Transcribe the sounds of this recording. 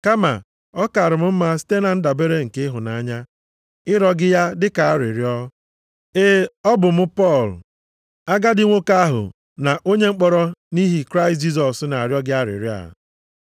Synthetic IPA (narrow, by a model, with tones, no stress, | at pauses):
ka˦ma̰˨ | ɔ˦ka˨a˨ɾɪ˨m̩˦m̩˦ma˦si̥˦te˦na˨n̩˦da˨be˦ɾe˦ŋ̩˨ke˦ɦʊ˨na˨a˦ɲa˦ | ɪ˦ɾɔ˦ɡɪ˦ja˦dɪ˦ka˨a˦ɾɪ̰˨ɾi˦ɔ˦ | e˦ɔ˦bʊ˨m̩˦pɔ˦˨l | a˦ɡa˦dɪ˦ŋʷo˦ka˦ɦʊ̰˨ | na˨ʔo˦ɲe˦ŋ͡m̩˦k͡pɔ˦ɾɔ˦ni˦ɦi˨kɾa˦ɪ˨t̬̚d͡ʒi˦z̬ɔ˨sna˨a˨ɾjɔ˦ɡɪ˦a˦ɾɪ̰˨ɾi˦a̰˨